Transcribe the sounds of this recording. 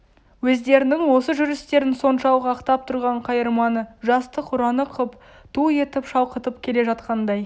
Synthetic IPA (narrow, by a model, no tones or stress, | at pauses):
wɵzd̪e̞ɾɪnɪŋwo̞səʒʏɾɪst̪e̞ɾɪnso̞nʃɑwˠʁəɑqt̪ɑp̚t̪ʰʊɾʁɑɴqʰɑjəɾmɑnəʒɑst̪əqʰʊɾɑnəqʰəp | t̪ʰue̞t̪ɪpʃɑwqət̪əp̚kʲʰe̞le̞ʒɑt̪̚qɑnd̪ɑj